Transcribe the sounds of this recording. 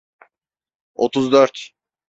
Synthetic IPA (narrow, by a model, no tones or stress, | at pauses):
ot̪ʰuzd̪øɾt̪